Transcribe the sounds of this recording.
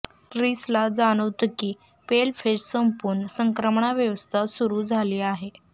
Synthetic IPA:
ʈɾislad͡zaɽ̃əʋt̪kiː | pelfessəmpuɾɳəsəŋkɾəmɳaʋjəʋəst̪ʰasuɾuːd͡zʱaliːaɦe

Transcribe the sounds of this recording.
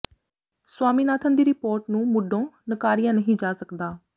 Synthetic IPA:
swaːmiːnaːt̪ʰənd̪iːɾɪpoːɾʈnũːmʊɖʱõːnəkaːɾijãːnəɦĩːd͡ʒaːsəkd̪aː

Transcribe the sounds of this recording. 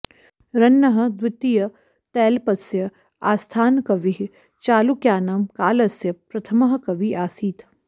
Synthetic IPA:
ɾɐnːɐɦɐ̆d̪wɪt̪ijɐ | t̪ɛːlpɐsjɐ | aːst̪ʰaːnkɐʋiɦ | t͡ʃaːlukjaːnaːmkaːlɐsjɐpɾɐt̪ʰɐmɐɦɐkɐʋiaːsiːt̪ʰ

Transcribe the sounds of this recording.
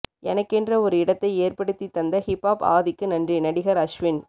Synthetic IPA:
ɛnɐkːɛndrɐɔɾɯɪɽɐt̪ːɐɪeːrpɐɽɯt̪ːit̪ːɐnd̪ɐhɪpːaːpa̰ːðɪkːɯnɐndrinɐɽɪɣɐɾɐʂʋɪn

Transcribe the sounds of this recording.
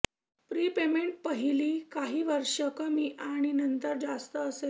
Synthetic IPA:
pɾiːpemeɳʈ̚pəɦiliːkaɦiːʋəɾʂəkəmiːʔaɽ̃inənt̪əɾd͡zast̪əːse

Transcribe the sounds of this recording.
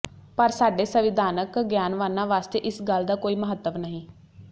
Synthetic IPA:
pəɾsaːɖeːsəʋɪd̪ʱaːnəkɡjaːnʋaːnãːʋaːst̪eːʔɪsɡəld̪aːkoːiːməɦət̪ːəʋnəɦĩː

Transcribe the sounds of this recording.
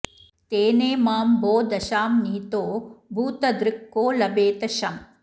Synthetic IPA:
t̪eːneːmaːmboːd̪ɐʃaːmniːt̪oːbʱuːt̪ɐd̪ɾɪkːoːlɐbeːt̪ɐʃɐm

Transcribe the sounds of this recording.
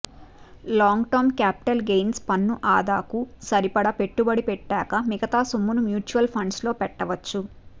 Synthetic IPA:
laːŋɡʈɐɾmkaːpi̥ʈɐlɡejnspɐnːuʔaːd̪aːkusɐɾipɐɽɐpe̞ʈːubɐɽipɛʈːaːkɐmiɡɐt̪aːsumːunumjuːt͡ʃuʋɐlpʰɐɳɖslo̞ːpɛʈːɐʋɐt͡ʃːu

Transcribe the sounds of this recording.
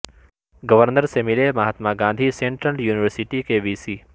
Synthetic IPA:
ɡəʋəɾnəɾsemɪlemɐɦat̪maɡãːnd̪ʱisẽːɳʈɾəljuːniʋəɾsiʈikeʋiːsiː

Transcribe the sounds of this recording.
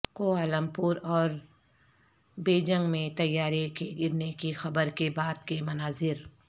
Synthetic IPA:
koːaːləmpʊɾɔːɾ | beːd͡ʒə̃ŋɡmẽt̪ɐjːaːɾekeɡɪɾnekixɐbəɾkebaːd̪kemɐnaːzɪɾ

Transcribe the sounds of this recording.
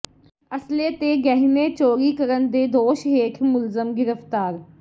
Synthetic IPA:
əsleːt̪eːɡɛɦneːt͡ʃoːɾiːkəɾənd̪eːd̪oːʃɦeːkʰmʊlzəmɡɪɾəft̪aːɾ

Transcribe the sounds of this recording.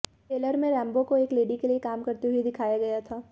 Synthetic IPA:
ʈeːləɾmẽɾɛ̃ːmbokoeːkleːɖikeliekaːmkɐɾt̪eɦʊed̪ɪkʰaːjaɡɐjat̪ʰaː

